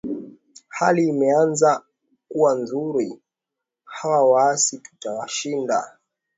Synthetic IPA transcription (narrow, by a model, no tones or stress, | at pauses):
haliːmɛanza | kuwanzuɾi | hawawaasitu̥tawaʃinda̰